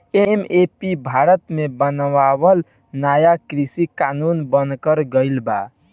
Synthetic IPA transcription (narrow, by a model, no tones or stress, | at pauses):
emepibʱaɾət̪mebənʋabəl | najakɾisikanunbənkəɾɡəɪlba